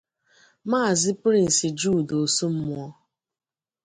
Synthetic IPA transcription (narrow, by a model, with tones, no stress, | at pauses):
maː˦˨zɪ˦pɾi˦n̩˨si˨d͡ʒuː˦˨do˨su˦m̩˦mʊ˦ɔ˦